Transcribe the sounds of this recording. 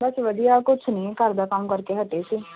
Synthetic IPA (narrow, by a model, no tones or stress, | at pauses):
bəsʋəd̪ijaːkʊt͡ʃʰnĩːkəɾd̪aːkəmkəɾkeːɦəʈeːsiː